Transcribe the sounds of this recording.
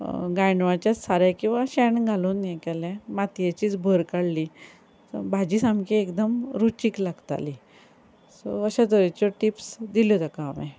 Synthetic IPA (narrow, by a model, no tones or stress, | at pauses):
ɡajɳʋat͡ɕjat͡ssaɾakĩw̃ʋaɕɛɳɡʱaluːnjɛkɛlɛ̃mat̪jat͡ɕiːt͡sbʱəɾkaɽli | sɔ̰bʱad͡ʑiːsamkiekd̪əmɾut͡ɕiːklaɡt̪a̰li | so̰əɕad̪əɾet͡ɕɔʈipsd̪iljod̪akaːmɛ̰